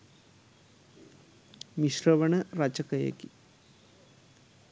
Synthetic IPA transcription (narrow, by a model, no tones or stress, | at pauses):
miʃrɐʋɐɳɐɾɐt͡ʃɐkɐjɐ̰ki